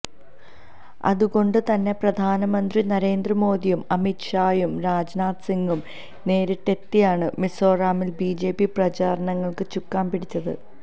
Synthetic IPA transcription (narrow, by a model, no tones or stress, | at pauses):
ɐ̰ðuɣo̞ɳɖɨt̪ɐnːe̞prɐd̪ʱaːnɐmɐnd̪rinɐɾe̞ːnd̪rɐmo̞ːðijumɐmitʂaːjumɾaːd͡ʑnaːt̪siŋɡum | ne̞ːɾuʈːe̞t̪ːijaːɳɨmisoːraːmilbiːd͡ʑe̞ːpːiprɐt͡ɕaːɾɐɳɐŋːɐɭkɨt͡ɕukːaːnpiɽit͡ɕːɐðɨ̰